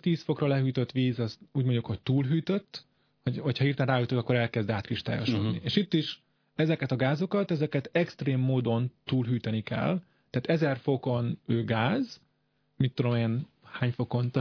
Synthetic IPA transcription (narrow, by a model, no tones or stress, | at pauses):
t̪iːsfo̞krɒlɛɦyːt̪øt̪ʋiːzɒztuːɟmoɲɟukho̞c̚t̪uːlɦyːt̪øt̪ː | hoɟhocʰhɒhiːrt̪ɛnraːɦyːt̪ot̪ɒkːoɾɛlkɛzd̪aːt̪kriʃt̪a̰ːjoʃo̰d̪nieːʃit̪ːiʃ | ɛzɛkɛt̪ɒɡaːzo̞kɒt̪ɛzɛkɛt̪ɛkst̪reːmːoːd̪o̞nt̪uːlɦyːt̪ɛnikɛ̰l | t̪ɛaːt̪ɛzɛrfo̞ko̞nøːɡaːz | mit̪ːud̪o̞meːn | haːɲfo̞ko̞nt̪